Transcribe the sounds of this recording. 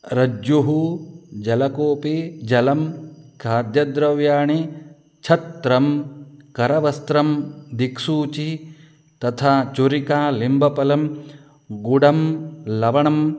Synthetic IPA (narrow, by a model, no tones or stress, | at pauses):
ɾɐd͡ʒjuɦud͡ʒɐlɐkoːpid͡ʒɐlɐmkaːd̪jɐd̪ɾɐʋjaːɳi | t͡ʃʰɐt̪ɾɐmkɐɾɐʋɐst̪ɾɐmd̪iksuːt͡ʃi | t̪ɐt̪ʰaːt͡ʃuɾikaːlimbʱɐpɐlɐm | ɡuɽɐmlɐʋɐɳɐm